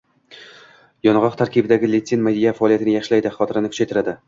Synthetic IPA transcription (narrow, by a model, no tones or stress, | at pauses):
jɒnʁɒqt̪ʰaɾkʲibɪd̪aɡʲɪlʲet̪senmad̪ijafaɒlijat̪ɪnɪjaʃlajd̪ɪχɒt̪ʰɪɾɪnɪkʰʊ̥t͡ʃʰajt̪ʰɪɾad̪ɪ